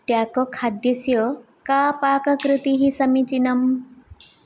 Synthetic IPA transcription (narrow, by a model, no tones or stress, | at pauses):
t̪jakɔkʰad̪jəsjɔ | kapakɐkɾɨt̪iɦisɐmit͡ɕinɐm